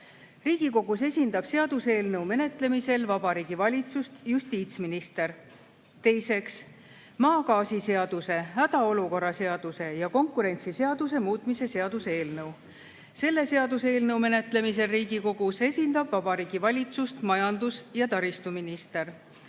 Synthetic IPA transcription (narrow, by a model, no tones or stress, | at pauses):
riːɡ̥iko̞ɡ̥use̞sʲind̪̥ɑb̥se̞ɑd̪̥use̞ːlnɤwme̞ne̞t̪ˑle̞mise̞lvɑb̥ɑɾiːɡ̥ivɑlʲit̪sust̪just̪iːt̪sminist̪e̞ɾ | t̪e̞jse̞ks | mɑːkɑːsise̞ɑd̪̥use̞ɦæd̪̥ɑo̞luko̞ɾːɑse̞ɑd̪̥use̞jɑko̞ŋkˑuɾe̞nʲt̪sise̞ɑd̪̥us̬e̞muːt̪ˑmise̞se̞ɑd̪use̞ːlnɤw | se̞lːe̞se̞ɑd̪use̞ːlnɤwme̞ne̞t̪ˑle̞mis̬e̞lriːɡiko̞ɡ̥use̞sʲind̪ɑb̥vɑb̥ɑɾiːɡ̥ivɑlʲit̪sust̪mɑjɑnd̪usjɑt̪ɑɾist̪uminist̪e̞r